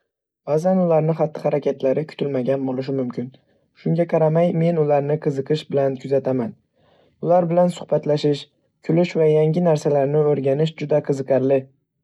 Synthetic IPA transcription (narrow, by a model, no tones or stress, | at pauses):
ɒzanʊlaɾnɪχɑt̪ʰːɪhaɾakʲʰat̪ʰlaɾɪkʰʊ̥t̪ʰɪlmaɡʲanbolˠɪʃ̬ɪmʊmkʲʰɪn | ʃʊŋɡʲaqʰɑɾamajme̞nʊlaɾnɪqʰɨzɨqɨʃbɪlankʰʊzat̪ʰaman | ʊlaɾbɪlansʊ̥χbat̪laʃɪʃ | kʲʰʊlɪʃvajaŋɡʲɪnaɾsalaɾnɪɵɾɡʲanɪʃd͡ʒʊd̪aqʰɨzɨqɑɾlɪ